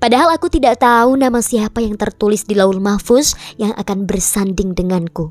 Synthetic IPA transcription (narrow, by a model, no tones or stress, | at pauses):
padaɦalakut̪idaʔt̪aunamasiapajaŋt̪ərt̪ulɪsdilaʊlmafʊsjaŋʔa̰kanbərsandɪŋdəŋanku